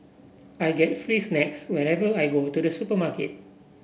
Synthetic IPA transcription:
ajɡɛt̚fɹisnɛkswɛɹɛvəajɡotudəsupəmakḛt̚

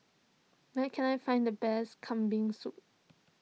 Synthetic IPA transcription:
nɛkʰɛ̃najfãɪ̃ndəbɛskʰãmbĩŋsut̚

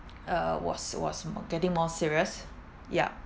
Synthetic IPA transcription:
ʌwɔ̰swɔ̰sɡɛtɪ̃ŋmɔsiɹiəs | ja̰

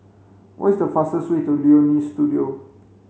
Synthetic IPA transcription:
wʔɔ̰tisdəfastəswetulionistudio

